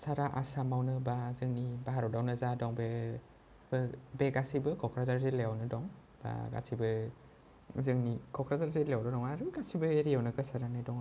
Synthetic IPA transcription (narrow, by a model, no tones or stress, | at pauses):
saɾaʔasamawnɯbazɯŋnibaɦaɾɔdawnɯzadɔŋbe | bɯbeɡasibɯkʰɔkʰɾazaɾzelejawnɯdɔŋ | b̥a̰ɡa̰sʰibɯ | zɯŋnikʰɔkʰɾazaɾzelejawnɯdɔŋaɾɯɡasibɯeɾiawnɯɡɯsaɾanajdɔŋ